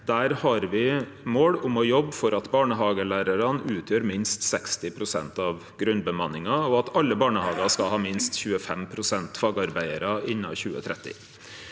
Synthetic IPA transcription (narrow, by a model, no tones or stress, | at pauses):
d̪̥æːɾhɑɾʋɪ | moːɽʊmɔjɔbːfɔɾɑt̪bɑːɳəɦɑːɡəɭæːɾəɾɑnʉːt̪ʰjøːɾmɪnst̪sɛkst̪ɪpʰɾʊsɛ̰nt̪ɑʋ | ɡɾʉnbəmɑnɪŋɑɔɑt̪ɑlːəbɑːɳəhɑːɡɑskɑhɑːmɪnst̪çʉːəfɛmpʰɾʊsɛnt̪fɑːɡɑɾbæɪəɾɑɪnːɑ̰çʉːə̰t̪ʰɾʔɛt̪ːɪ̰